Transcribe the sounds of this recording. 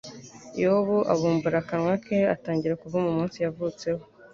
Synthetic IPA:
jehoβuʔa̰βuːmbuɾakanwakʰeataːɲɟiɾakuvumumuːnsijavut͡se̞ho

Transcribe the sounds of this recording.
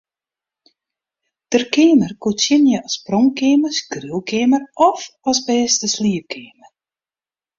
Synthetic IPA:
d̥ərkeːmərkutsjɪnjəʔɑsprɔŋkeːməsɡrylˠkeːmərɔfɑsbɛːstəsliəpkʰeːmər

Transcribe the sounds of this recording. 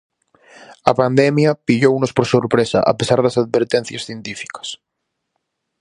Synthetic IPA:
ɐpand̪ɛmjapiʎownospoɾsoɾpɾesɐ̰ʔa̰pesaɾðɐsað̚βeɾt̪ɛ̃n̟θjasθjent̪ifi̥kɐ̥s

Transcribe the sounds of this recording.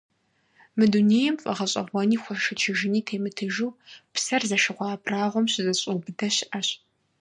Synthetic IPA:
mɨduneːjɛmfʼɐ̰ʁɐɕʼɐ̰ʁʷɔniːxʷʊʃɨt͡ʃʰɪʒɪniːtʰeːmɨtʰɨʒuːpsɐrzɐʃɨʁʷɑːbʰraːʁʷɔmɕɪzɐɕʼuːbɨdɐɕɪʔɐɕ

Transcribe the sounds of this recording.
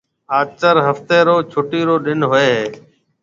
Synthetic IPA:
aːt͡ʃəɾɦəft̪eːɾoːt͡ʃʰʊʈiːɾoːɗɪnɦoeːɦeː

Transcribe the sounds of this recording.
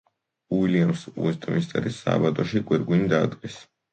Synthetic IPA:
uiliamsṵɛst̪ʼmist̪ʼɛ̰ɾisa̰bat̪ʼɔʃiɡʼwɛɾɡind̪ad̪ɡʼɛs

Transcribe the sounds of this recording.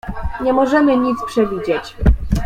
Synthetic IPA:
ɲɛmɔʐɛmɘɲit̪spʂɛvʲid͡ʑɛt͡ɕ

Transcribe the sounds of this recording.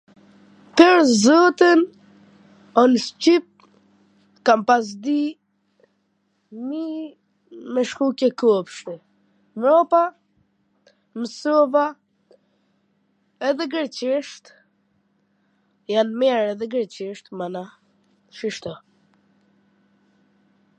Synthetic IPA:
pəɾzɔt̪ən | ɔnst͡ʃip̚ | kampas̬d̪i | mi | mɛʃkukɛkupʃt̪ɛ | mɾɔpa | məsɔva | ɛðɛɡəɾt͡ʃiʃt̪ | janmɛɾɛðɛɡəɾt͡ɕiʃt̪mana | ʃiʃt̪ɔ

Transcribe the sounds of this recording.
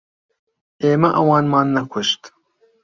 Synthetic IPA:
eːmɐʔɐwɑːnmɑːnːɐkʰʷʊʃt̪

